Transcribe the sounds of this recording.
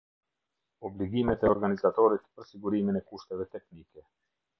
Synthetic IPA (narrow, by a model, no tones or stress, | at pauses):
ɔbliɡimɛt̪ɛɔɾɡanizat̪ɔɾit̪pəɾsiɡuɾiminɛkuʃt̪ɛvɛt̪ɛknikɛ